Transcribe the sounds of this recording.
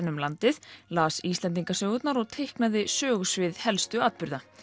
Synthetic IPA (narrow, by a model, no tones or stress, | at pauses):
nʏmlant̪ɪðlaːsist̪lɛnt̪̬iŋkasœːɣʏt̪naɾɔɣt̪ʰejhknaðɪsœːɣʏsvɪðhɛlst̪ʏaːt̪̚pʏɾða